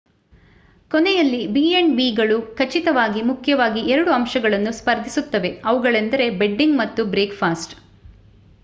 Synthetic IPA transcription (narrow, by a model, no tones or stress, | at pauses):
kɔnɛjɐlːibiːenbiːɡɐɭukʰɐt͡ʃit̪ɐʋaːɡimukʰjɐʋaːɡiɛɾɐɽuɐmʃɐɡɐɭɐnːuspɐɾd̪ʱisut̪ːɐʋe̞ɐʋuɡɐɭend̪ɐɾe̞be̞ɖːiŋɡmɐt̪ːubɾeːkpʰaːsʈ